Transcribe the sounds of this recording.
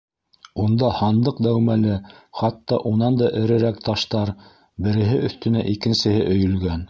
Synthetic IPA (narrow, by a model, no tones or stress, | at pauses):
und̪ɑhɑnd̪ɤqd̪æwmælɘχɑt̪ːɑʔunɑnd̪ɑʔɘ̆ɾɘ̆ɾækt̪ɑʃt̪ɑɾ | bɘ̆ɾɘ̆ɦɘʔɵ̆θt̪ɵ̆næʔikɘ̆nsɘ̆hɘʔɵ̆jɵ̆lɡæn